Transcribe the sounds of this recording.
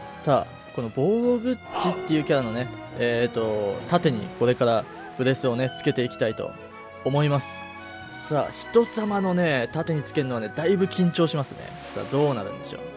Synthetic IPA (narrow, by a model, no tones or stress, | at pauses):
sa̰ː | ko̞no̞bo̞ːɡɯ̟t͡ɕit̪ːe̞jɯ̟ːkʲaɾano̞ne̞ | et̪ːo̞t̪at̪e̞ɲ̟ḭko̞ɾe̞kaɾa | b̥ɯ̟ɾe̞sɨo̞ne̞t͡sɨ̥ke̞t̪e̞ikʲi̥t̪ait̪o̞̰ː | mo̞imasɨ̥ | sa̰ːçi̥t̪o̞samano̞ne̞t̪at̪e̞ɲ̟it͡sɨ̥ke̞ɾɯnoane̞d̪aibɯ̟kʲĩɲ̟t͡ɕo̞ːɕimasɨnḛ | sa̰ːd̪o̞ːnaɾɯ̟̰̃nd̪e̞ɕo̰ː